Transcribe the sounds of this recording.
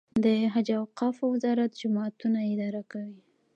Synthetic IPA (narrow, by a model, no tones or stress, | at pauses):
d̪əɦad͡ʒawqɑfwɪzɑɾat̪d͡ʒʊmɑt̪unaɪd̪ɑɾakawi